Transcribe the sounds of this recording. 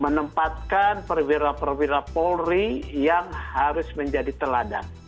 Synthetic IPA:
mənəmpat̪̚kanpərwiɾapərwiɾapɔlrijaŋhaɾʊsməɲd͡ʒadit̪əlada̰

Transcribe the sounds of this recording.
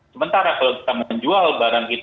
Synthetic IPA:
səmənt̪aɾakalowki̥t̪aməɲd͡ʒualbaɾaŋkit̪

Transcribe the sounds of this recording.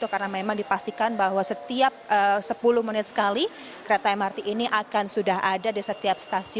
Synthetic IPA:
t̪ukarnamemaŋdipast̪ikanbaɦwasət̪iap̚əsəpuluhmənɪt̪̚sə̥kali | kəɾet̪aamart̪iʔːniʔakansudaɦadadisət̪iap̚st̪asi

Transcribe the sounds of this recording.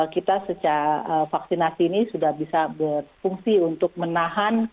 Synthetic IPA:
kit̪asət͡ʃaɾaʔəfaksinasiːnisudahbisabərfuŋsiunt̪ʊk̚mənaɦan

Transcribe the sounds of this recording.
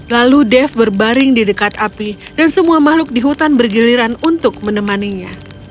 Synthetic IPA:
laludɛfbərbaɾɪŋdidəkat̪apidansəmuamahlʊk̚diɦut̪anbərɡiliɾanunt̪ʊk̚mənəmaniɲa

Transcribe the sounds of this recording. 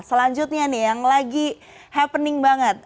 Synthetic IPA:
səlaɲd͡ʒʊt̪̚ɲanɪjaŋlaɡi | hapənɪŋbaŋət̪̚

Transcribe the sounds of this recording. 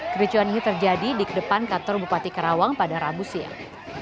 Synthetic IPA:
kəɾit͡ʃuaninit̪ərd͡ʒadidikədəpankat̪ɔrbupat̪ikəɾawaŋpadaɾabusia̰

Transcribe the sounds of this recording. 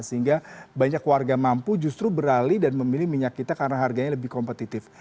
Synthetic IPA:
səɦiŋɡabaɲakːwarɡamampud͡ʒust̪ɾubəɾalidanməmilɪhmiɲakːit̪akaɾənaɦarɡaɲaləbɪhkɔmpət̪it̪ɪf

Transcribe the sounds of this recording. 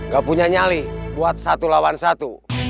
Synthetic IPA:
ŋɡapuɲaɲalihbuat̪̚sat̪ulawansat̪u

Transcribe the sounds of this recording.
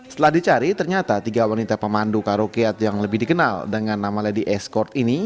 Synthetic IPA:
sət̪əlahdit͡ʃaɾit̪ərɲat̪at̪iɡawanit̪apəmandukaɾokiat̪ojaŋləbɪhdikənaldəŋanːamaladiʔɛskɔrt̪ini

